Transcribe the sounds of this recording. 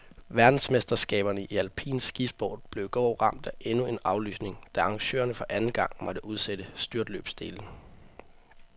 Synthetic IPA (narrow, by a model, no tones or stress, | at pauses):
ʋæɐd̥n̩smesd̥ɐsɡ̥ɛ̰ːb̥ɐnəiʔiælpʰḭːnsːɡ̥ifb̥ɒ̰ːd̥̚b̥le̝ʊɡ̥ɒːʁɑ̈m̰d̥æʔe̝nue̝nɑ̈ʊly̰ːsne̝ŋd̥æɑ̈ŋɕø̰ːɐnəfɒ̽ʔænn̩ɡ̥ɑ̈ŋ̰mɒ̽d̥əʔuð̞ˠsed̥əsd̥yɐd̥lø̰ːb̥sd̥e̝̰ːln̩